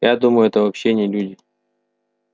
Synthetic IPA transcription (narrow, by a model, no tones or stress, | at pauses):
jad̪uməjʊɛt̪əvɐpɕːenʲɪɪlʲudʲɪ